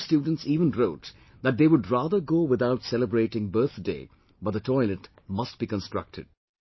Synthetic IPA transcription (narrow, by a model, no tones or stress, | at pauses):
stjuːɖⁿn̩tsiːʋə̃nɹoʊt | ðæt̚d̪eːwʊɖɹaːðəɾɡoːwɪðaʊtsɛləbɹeɪʈɪ̃ŋbɜ˞θdḛː | bʌt̚d̪ətʰɔɪlɛt | mʌst̚b̥iːkə̃nstɹ̥ʌ̰k̚tʰɨ̰d̥̚